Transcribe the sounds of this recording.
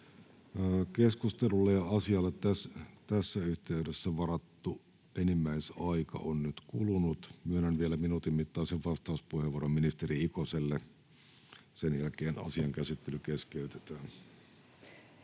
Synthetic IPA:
keskust̪elulːejjɑɑsiɑlːet̪t̪æst̪æsːæyht̪eydesːæʋɑrɑt̪ːu | enimːæisɑikɑ̰ʔonnyt̪kulunut̪myønænʋielæminut̪immit̪ːɑːseʋʋɑst̪ɑuspuheʋuoromminist̪eriikoselːe | senjælkeːnɑ̰siɑŋkæsit̪ːelykeskeyt̪et̪æːn

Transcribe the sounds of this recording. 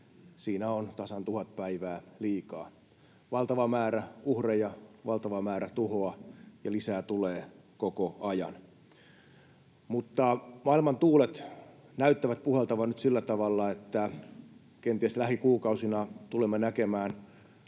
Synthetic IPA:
siːnæont̪ɑsɑnt̪uhɑt̪̚pæiʋæːliːkɑ̰ː | ʋɑlt̪ɑʋɑmæːɾæuhrejɑʋɑlt̪ɑʋɑmæːɾæt̪uhoɑjɑlisæːt̪uleː | kokoɑjɑ̰n | mut̪ːɑmɑilmɑnt̪uːlet̪ | næyt̪ːæʋæt̪̚puhelt̪ɑʋɑnnyt̪silːæt̪ɑʋɑlːɑet̪ːæ | kent̪iæslæhikuːkɑusinɑt̪ulemːenækemæːn

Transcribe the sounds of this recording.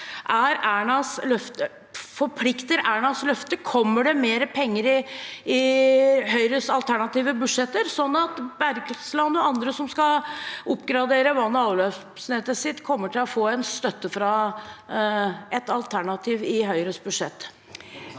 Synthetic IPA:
ʔæɾæːɳɑslœft̪ə | fɔɾpʰlɪkt̪əɾæːɳɑslœft̪əkʰɔmːəɖɛmeːɾəpʰɛŋːəɾɪɪɦœʏɾəsɑlt̪ʰæɳɑt̪iːʋəbʉʂɛt̪ːəɾsɔnːɑt̪bæɾɡslɑnːɔɑnd̪ɾəsɔmskɑʊpːɡɾɑd̪eːɾəʋɑnːəɑːʋløː | snet̪əsɪt̪ːkʰɔmːəʈʰɪlɔfoːɛnst̪œt̪ːəfɾɑ | ʔɛt̪ɑlt̪ʰæɳɑt̪ʰiːʋɪɦœʏɾəsbʉʂɛt̪ː

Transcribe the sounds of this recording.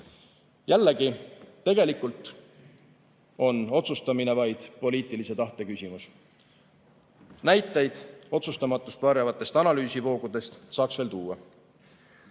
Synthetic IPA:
jælːeɡit̪ːe̞ɡ̥e̞likˑult̪ˑ | o̞no̞t̪sust̪ɑmine̞vɑjd̪̥po̞liːt̪ˑilise̞t̪ɑht̪e̞kysʲimus | næjt̪ːˑe̞jd̪̥o̞t̪sust̪ɑmɑt̪ːˑust̪vɑɾjɑvɑt̪ːˑe̞st̪ɑnɑlyːsivo̞ːɡ̥ud̪̥e̞st̪sɑːksve̞ːlt̪uːwɑ

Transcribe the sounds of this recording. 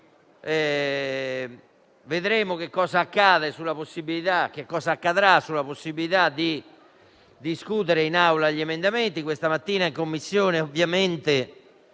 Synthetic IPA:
ɛ | veðɾeːmok̟ekːɔːzaːkːaːðesulːaposːibilit̪ak̟ekːɔːzaːkːaðɾasulaposːibilit̪ad̪i | d̪iskut̪eɾeinawlaʎːiɛmend̪ament̪ikwest̪amat̪ːiːnaiŋkomːisːjɔːneovːjament̪e

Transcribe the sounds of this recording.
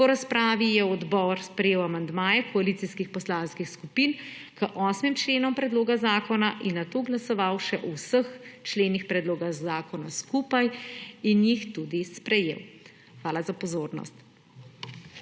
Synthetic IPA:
pɔɾaspɾaːʋijɛɔd̪bɔɾspɾɛjeːwamand̪maːjɛkɔaliːt̪siskixpɔslaːnskixskupiːn | kəʔɔːsmimt͡ʃleːnɔmpɾɛd̪loːɡazaːkɔnaʔinːat̪oːɡlasɔʋaːwʃɛʔɔwsəxt͡ʃleːnixpɾɛd̪loːɡazaːkɔnaskuːpajinjixt̪ud̪ispɾɛjḛːw | xʋaːlazapɔzoːɾnɔ̰st̪

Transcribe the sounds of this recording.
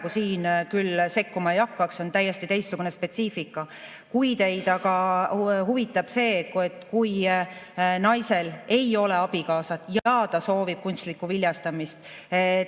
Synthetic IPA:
ɡusiːnkylse̞kːumɑejɑkːɑkso̞nt̪æjːest̪it̪e̞jstːuɡ̥une̞spe̞t̪siːfikːˑɑ | kujt̪e̞jd̪ɑɡ̥ɑhuvit̪ːˑɑb̥se̞ːke̞t̪ːˑkuj | nɑjse̞le̞jo̞le̞ɑb̥ikɑːsɑt̪ːˑjɑːd̪̥ɑso̞ːvib̥̚kunʲst̪likːˑuvilʲjɑst̪ɑmist̪

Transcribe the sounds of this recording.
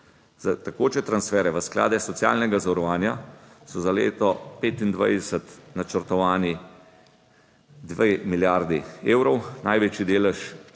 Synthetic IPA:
zat̪akoːt͡ʃɛt̪ɾansfɛːɾɛʋəskla̰ːd̪ɛsɔt̪sija̰ːlnɛɡazawɾɔʋaːnjasɔzalḛːt̪ɔpeːt̪ind̪ʋa̰jd̪ɛsət̪nat͡ʃəɾt̪ɔʋaːni | d̪ʋemiljaɾd̪ieːwɾɔwnajʋeːt͡ʃid̪eːlɛʃ

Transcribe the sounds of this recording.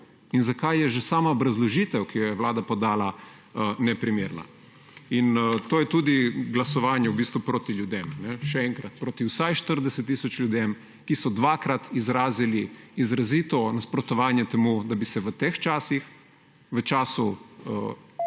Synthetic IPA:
inzakajjɛʒɛsaːmaobɾazlɔʒiːt̪ɛwkijɔjɛʋlaːd̪apɔd̪aːla | nɛpɾimeɾna̰ | int̪oːjɛt̪uːd̪iɡlasɔʋaːnjɛubiːst̪ʋupɾoːt̪iljud̪emnɛʃɛɛŋkɾɐt̪pɾoːt̪iwsajʃt̪əɾd̪ɛsɛt̪ːiːsɔt͡ʃlʲjud̪em | kisɔd̪ʋakɾat̪izɾaːziliizɾaziːt̪ɔnaspɾɔt̪ɔʋaːnjɛt̪ɛmud̪abisɛʋət̪eːxt͡ʃaːsix | ʋət͡ʃaːsu

